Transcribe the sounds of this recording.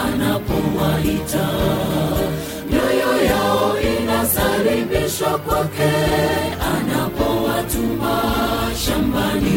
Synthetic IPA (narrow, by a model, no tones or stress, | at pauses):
anapɔwaita | mɔjɔjaɔinasaɾebɛʃwakwakɛanapɔwatumbaʃambali